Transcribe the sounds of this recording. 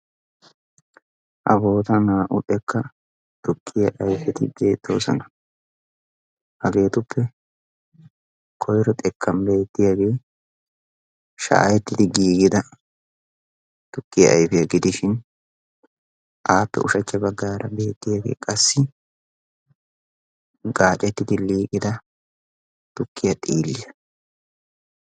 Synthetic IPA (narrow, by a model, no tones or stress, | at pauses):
ʔɐbo̞ːt̪ɐnaːʔʊʔʼɛkːɐ | t̪ʊkʰːɪjɐʔɐjfɛt̪ɪbe̞ːt̪ːo̞̰ːsɔ̰nɐ | hɐɡe̞ːt̪ʊpʰːɛ | kʰɔjɾɔt̪ʼɛkːɐmbe̞ːt̪ːɪjaɡe̞ː | ʃa̰ːjɛt̪ːɪd̪ɪɡiːɡɪd̪ɐ | t̪ʊkːɪjɐ̰ʔɐjfɪjɐɡɪd̪ɪʃɪn | ʔaːpːɛ̰ʔʊʃɐt͡ʃːɛbɐɡːaːɾɐbe̞ːt̪ːɪjaːɡe̞̰ːkʼɐsːɪ | ɡaːt͡ʃʼːɛt̪ːɪd̪ɪliːkʼɪd̪ɐ | t̪ʊkʰːɪjɐt̪ʼiːlːɪjɐ